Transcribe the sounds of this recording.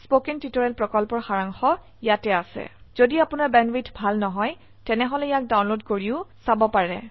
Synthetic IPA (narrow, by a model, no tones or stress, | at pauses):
spokintitɔɹɛlpɹɔkɔlpɔɹxaɹaŋxɔ | ijatɛasɛ̰z̥odiapʊnaɹbɛnwitʰbʱalnɔɦɔj | tɛnɛɦɔlɛjak̚daw̃nlodkoɹiʊsabɔpaɹɛ̰